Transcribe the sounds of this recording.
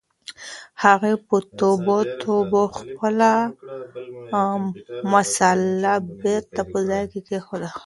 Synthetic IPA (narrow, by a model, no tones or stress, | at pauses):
haɣepət̪obot̪ʰoboxpəla | masalabeɾt̪apəzɑjkekexola